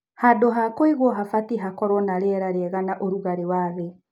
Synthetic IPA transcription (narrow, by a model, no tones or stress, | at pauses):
hadoɦakoiɣwɔɦafatiɦakɔɾɔnaɾɛɾaɾeɛɣanaʔoɾuɣaɾewaðɛ